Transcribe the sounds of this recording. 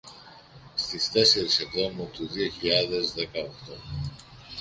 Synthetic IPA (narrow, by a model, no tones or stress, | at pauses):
st̪ist̪e̞se̞ɾisevðo̞mut̪uðio̞çiʎɐðe̞zðekɐokt̪o̞